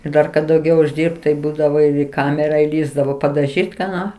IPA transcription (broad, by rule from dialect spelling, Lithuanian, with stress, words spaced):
ɪr ˈdɐr kɐt dɐʊˈɡʲɛʊ ʊʒʲˈdʲɪrpt tɐɪ ˈbuːdɐʋoː iː ˈkɑːmʲɛrɐ iːˈlʲiːzdɐʋoː pɐdɐˈʒʲiːtʲ kɑː ˈnoː